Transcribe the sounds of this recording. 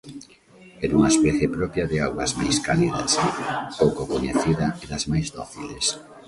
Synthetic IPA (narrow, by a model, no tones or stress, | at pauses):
ɛɾuŋɐaespɛθjepɾɔpjaðeawɣɐzma̰jskaliðɐ̰spowkokoɲeθiðɐeðazmajzd̪oθiles